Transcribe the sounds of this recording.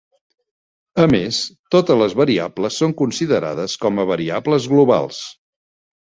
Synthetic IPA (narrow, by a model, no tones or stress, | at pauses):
əmest̪ot̪əzləzβəɾiabləsːoŋkunsiðəɾa̰ðəskɔməβ̞əɾiabləzɣluβa̰lˠs